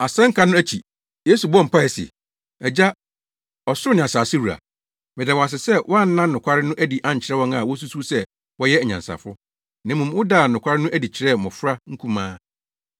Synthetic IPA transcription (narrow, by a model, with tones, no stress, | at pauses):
a˨sɛ̃˦ŋ̩˦kʰa˦nʊ̃˦æ˦t͡ɕʰi˨ | je˦su˨bɔ̃˦m̩˨pʰa˦˨ɛ˨sɪ̰˨ | ɛ˨d͡ʑa˦ | ɔ˨sʊ˦ʊ˦nɪ̃˨a˨saː˨sɪ˦wu˨ɾa̰˨ | mɪ˨da˨wɔ˨a˨s̬ɪ˨sɛ˦wʔɔ˦a˦˨n̩˦nã˦nnʊ̃˨kʷʰa˦ɾɪ˦nʊ̃˦ʔæ˦di˨ʔã˦˨ɲ̩˨t͡ɕʰɪ˨ɾɛ˦wɔ̃˦ŋa˨wɔ˦s̬u˦su˦sɛ˦ | wɔ˦jɛ˦ɛ˨ɲã̰˨nsa̰˨fʊ˦ʊ˦ | nã˨mũ˨m˦ʊ˦daː˨nʊ̃˨kʰʷa˦ɾɪ˦nʊ̃˦ʔæ˦di˨t͡ɕʰɪ˦ɾɛ˦˨mɔ̃˨fɾa˦ŋ̩˦kʰũ˦mãː˦